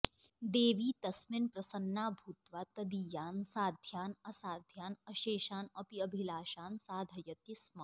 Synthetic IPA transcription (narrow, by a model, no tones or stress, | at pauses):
d̪eːʋiːt̪ɐsmɪnpɾɐsɐnːaːbʱuːt̪ʋaːt̪ɐd̪ijaːnsaːd̪ʱjaːnɐsaːd̪ʱjaːnɐʃeːʃaːnɐpiɐbʱilaːʃaːnsaːd̪ʱɐjɐt̪ismaː